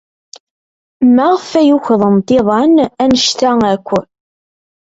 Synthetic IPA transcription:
mːæʁfæjuçðˤənt̪ɪðˤɑnænəʃt̪æŋækʷːə

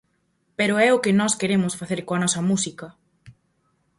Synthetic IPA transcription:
peɾʊɛʊkɪnɔskeɾemʊsfaθeɾkoɐnɔsɐmusikɐ

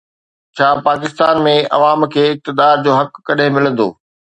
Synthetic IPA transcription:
t͡ɕʰaːpaːk̬ɪst̪aːnmẽɐ̰ʋaːmkʰeːɪk̚t̪ɪd̪aːɾd͡ʑoːɦɐkːɐɗɦɪ̃mɪlə̃nd̪o̰ː

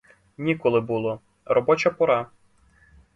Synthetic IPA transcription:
nʲikɔlˠɪbulˠɔ | ɾɔbɔt͡ʃɐpɔɾɑ

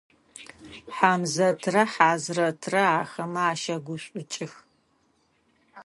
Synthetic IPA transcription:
ħaːmzɐtʰrɐħaːzrɐtʰrɐaːxɐmɐaːʃɐɡʷʊɕʷʼʊt͡ʃʼɪx

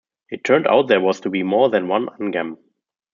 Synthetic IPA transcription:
ɪtʰːɜ̃˞nda̰ʊt̪̚ðɛ˞wɔztʰubiːmɔɹðɛ̃nwãnʔãnɡɛ̃m

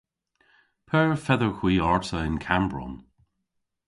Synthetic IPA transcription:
pʰɛːɹfɛðəɹxw̥iːɔɹtəɪnkʰambɹɔ̰n

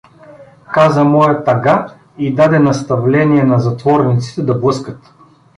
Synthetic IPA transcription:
kazəmɔjɐt̪ɐɡa | id̪ad̪ɛnɐst̪ɐvlɛniɛnɐzɐt̪vɔɾnit̪si̥t̪ɛd̪ɐblˠɤskət̪

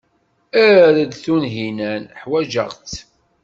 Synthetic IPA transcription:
æðəd̪θunɦinænħwæʒə̰ʁt͡s

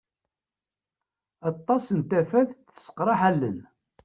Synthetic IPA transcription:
ɑt̪ˤːɑsənt̪æfæθθə̥sə̥qɾˤɑħælːən

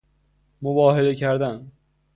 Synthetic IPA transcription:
mobɒːhelecʰæɾd̪æn

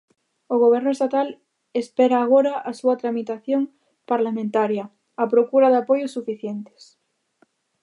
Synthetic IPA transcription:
oɣ̞oβ̞eɾnoest̪at̪al | espeɾaːɣ̞oɾaʔasuat̪ɾamit̪aθjoŋ | paɾlamẽnt̪aɾja | apɾokuɾaðapojosufiθjent̪e̥s

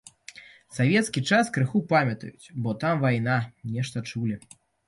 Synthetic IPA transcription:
savʲɛt̪skʲit͡ʂaskɾɨxupamʲɐt̪ɐ̰jut͡sʲbɔt̪amvajnanʲɛʂt̪ɐt͡ʂulʲi

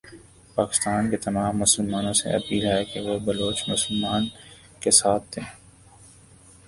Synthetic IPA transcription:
paːkɪst̪aːnket̪ɐmaːmːʊsəlmaːnõsḛɐ̰piːlaekeɣeːbɐloːt͡ʃmʊsəlmaːn | kesaːt̪̚ʰːeː

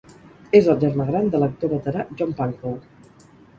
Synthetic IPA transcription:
ezəlˠʒəɾmaɣ̞ɾand̪ələk̚t̪oβət̪əɾaʒɔmpaŋkow

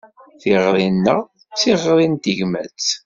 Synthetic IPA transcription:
θiʁɾˤinːəʁ | t͡sːiʁɾˤint̪iʝmæ̰t͡s

